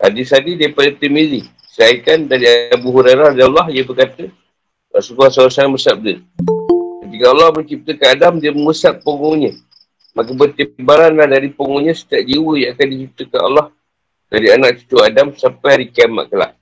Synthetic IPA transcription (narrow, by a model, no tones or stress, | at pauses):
ʔa̰disadidaipadəp̪imidi | səaikandaɾiaabuɦuɾaɾaradlːɔɦijəbərkat̪ə | wa̰ʔsukuasalsanbəsap̚də | kət̪ikəalːɑhməɲt͡ʃip̚t̪əkanadamdiəməŋusaʔ̚pəŋoɲə̃ | makəbət̪iibaɾanlahdaɾipəŋoɲə̃sə̥t̪iaʔ̚d͡ʒiwəjaakandit͡ʃip̚t̪əkana̰lːɔh | daɾianak̚t͡ʃi̥t̪uadamsampajaɾikama̰ʔkəla̰ʔ